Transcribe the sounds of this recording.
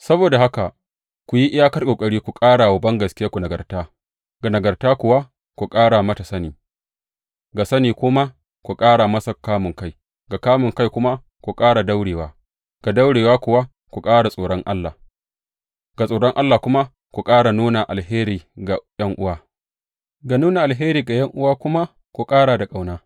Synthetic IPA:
sɐ˦boː˨da˨ha˦ka˨ | kʷu˨ji˦ʔɪ˦jaː˦kɐ˦rkʷʼoː˨kʼɐ˦ɽiː˦kʷu˨kʼaː˦ɽa˨wɐ˨bɐ˦ŋɡɐ˨skʲɪ˦jaː˦kʷu˨nɐ˨ɡɐ˨rtaː˦ | ɡa˨nɐ˨ɡɐ˨rtaː˦kʷʊ˨wa˦ | kʷu˨kʼaː˦ɽa˨mɐ˦ta˨sɐ˦niː˨ | ɡa˨sɐ˦niː˨kʷʊ˦ma˦ | kʷu˨kʼaː˦ɽa˨mɐ˦sɐ˨kːaː˦mʊ˨ŋka˦j | ɡa˨kaː˦mʊ˨ŋka˦jkʷʊ˦ma˦ | kʷu˨kʼaː˦ɽa˨da˦wɽeː˨waː˦ | ɡ̥a˨da˦wɽeː˨waː˦kʷʊ˨wa˦ | kʷu˨kʼaː˦ɽa˨sʼoː˨ɽɔ˦ŋʔa˦lːa˨ | ɡ̥a˨sʼoː˨ɽɔ˦ŋʔa˦lːaː˨kʷʊ˦ma˦ | kʷu˨kʼaː˦ɽa˨nuː˦na˨ʔa̰˨lɦeː˦ɾiː˨ɡa˨jɐ˦ŋʔʊ˦waː˦ | ɡa˨nuː˦na˨ʔa˨lɦeː˦ɾiː˨ɡa˨jɐ˦ŋʔʊ˦waː˦kʷʊ˦ma˦ | kʷu˨kʼaː˦ɽaː˨da˨kʼa˦wnaː˦

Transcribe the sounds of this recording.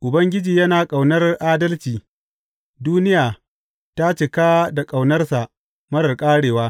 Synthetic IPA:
ʔʊ˨bɐ˦ŋɡʲɪ˦d͡ʒiː˨jɐ˦naː˨kʼa˨wnɐ˦rʔaː˦dɐ˦lt͡ʃiː˨ | duː˦nɪ˦jaː˨ | ta˦t͡ʃɪ˨kaː˦da˨kʼa˨wnɐ˦rsa˨ʔ | mɐ˦ɽɐ˨rkʼaː˦ɽeː˨waː˦

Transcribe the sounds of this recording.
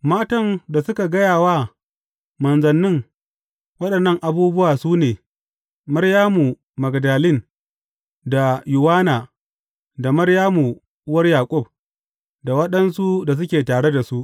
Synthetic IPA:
maː˦tɐ˦nda˨sʊ˦ka˨ɡɐ˦jaː˨waː˦ | mɐ˨nzɐ˨nːɪ˦ŋ | wɐ˦ɗɐ˨nːɐ˦ŋʔa˨buː˦bʊ˦waː˨suː˦neː˨ | mɐ˦rjaː˦mu˨ | mɐ˨ɡɐ˨daː˨lɪ˦˨n | da˨jʊ˨waː˦naː˨ | da˨mɐ˦rjaː˦mu˨˦ | wɐ˦rjaː˨kʷʼʊ˦b̚ | da˨wɐ˦ɗɐ˦nsu˦da˨s̬ʊ˦kʲeː˨taː˨ɽe˦da˨su˦ʔ

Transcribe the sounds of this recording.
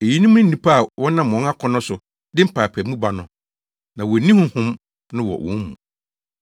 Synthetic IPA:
e˨ji˦nĩ˦m˦ʊ̃˦n̩˦nĩ˨pʰa˦a˨wʔɔ̃˦nã˦˨m˨ɔ̃˦na˦kʰɔ̃˦nʊ̃˦sʊ˨ | dɪ˦m̩˦pʰaː˨pʰæ˨˦mũ˦ba˨nʊ̃˨ | nã˨wɔ˨nĩ˦hʊ̃˦hʊ̃˦m | nʊ̃˦wɔ̰˨wɔ̰̃˨˦nmṵ̃˨

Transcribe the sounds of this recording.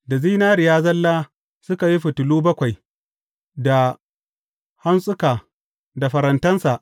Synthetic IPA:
da˨ziː˦naː˦ɾɪ˨jaː˦zɐ˦lːaː˦ | sʊ˦ka˨ji˦ɸʊ˨tʊ˨luː˦bɐ˦kʷa˨j | da˨ | ha˦nsʼʊ˦kaː˨ | da˨ɸɐ˨ɾɐ˨ntɐ˦nsa˨ʔ

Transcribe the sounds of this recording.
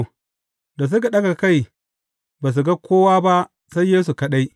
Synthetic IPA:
da˨s̬u˦k̬a˨ɗɐ˦ɡa˨ka˦˨j | ba˨s̬u˨ɡa˦kʰʷoː˦waː˦ba˦ʔ | sa˦jːeː˦su˨kɐ˦ɗa˦j

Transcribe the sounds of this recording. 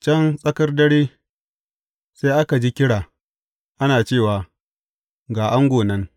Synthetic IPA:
t͡ʃɐ˦nsʼɐ˦kɐ˦rdɐ˦ɽiː˦ | se˦ʔa˦ka˨d͡ʒi˦kʲɪ˦ɽaː˨ | ʔa˦naː˨t͡ʃeː˦˨waː˨ | ɡaː˨ʔa˦ŋɡʷoː˨nɐ˦ŋ

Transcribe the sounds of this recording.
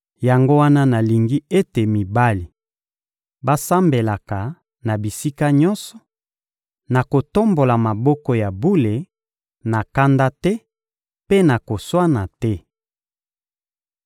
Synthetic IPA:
ja˨ŋɡo˦wa˦na˦na˨li˨ŋɡi˦e˦te˨mi˨ba˦li˨ | ba˦sa˦mbe˨la˨ka˨ | na˨bi˨si˦ka˦ɲɔ˦nsɔ̥˨ | na˨ko˨to˦mbo˨la˨ma˨bɔ˦kɔ˦ja˨bu˦le˨ | na˨ka˦nda˦tɛ˦ | pe˦na˨ko˨swa˦na˨tɛ˦

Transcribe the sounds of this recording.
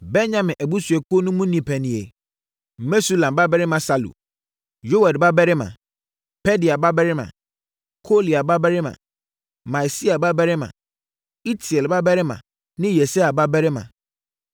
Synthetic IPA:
bɛ˦ɲã˨mɪ̃˨ʔæ˨bu˦su˨ɛ˨ko˦nũ˦mũ˦nĩ˨pʰɛ˨nɪ̃˨e˨ | me˦su˦lã˨mba˦bɛ˦ɾɪ˦mã˨sa˦lṵ˨ | jo˦wa˨dba˦bɛ˦ɾɪ˦mã̰˨ | pʰɛ˦di˨a˨ba˦bɛ˦ɾɪ˦mã̰˨ | kʰo˦li˨a˨ba˦bɛ˦ɾɪ˦mã̰˨ | mã˨si˦a˨ba˦bɛ˦ɾɪ˦mã̰˨ | i˦tʰi˨ɛ˨lba˦bɛ˦ɾɪ˦mã̰˨ | nɪ̃˦jɛ˨se˦a˨ba˦bɛ˦ɾɪ˦mã̰˨

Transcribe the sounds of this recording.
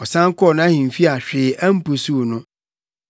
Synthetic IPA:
ɔ˨sã˦ŋ˦kɔ˦ɔ˦˨nʊ̃˦a˦hĩ˨m̩˨fi˦a˨ɕᶣɪː˨ʔa˦m̩˦pu˨su˦˨nʊ̃˦

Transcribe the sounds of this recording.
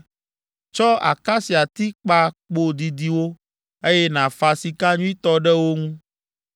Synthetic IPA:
t͡ʃɔ˦a̰˨ka˦si˨a˨t̪i˦k͡pa˦k͡po˦d̪i˨d̪i˨wo˦ | e˦jɛ˦nã˨fa˨si˨ka˦ɲũ˦i˦t̪ɔ˦ɖɛ˦wo˦ŋũ˦

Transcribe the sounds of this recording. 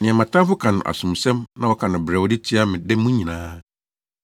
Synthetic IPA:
nɪ̃˨ɛ̃˨mã˨tʰã˦fʊ˦kʰã˨nʊ̰̃˨ʔa̰˨sʊ̃˨m˨sɛ̃˦mnã˦wɔ˦kʰã˨nʊ̃˨bɾɛ˨wɔ˦dɪ˦tʰi˦a˦mɪ̃˨dɛ˦mũ˦ɲĩ˨nãː˦

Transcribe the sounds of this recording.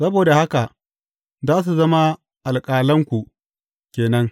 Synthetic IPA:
sɐ˦boː˨da˨ha˦ka˨ | zaː˦s̬u˨zɐ˦ma˦ | ʔa˨lkʼaː˨lɐ˦ŋkʷu˨ | kʲeː˨nɐ˦ŋ

